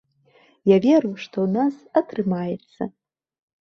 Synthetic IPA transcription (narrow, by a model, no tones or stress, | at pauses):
javʲeruwʂtʰo̞wnasatʰrɨmajet͡sʰːɐ̰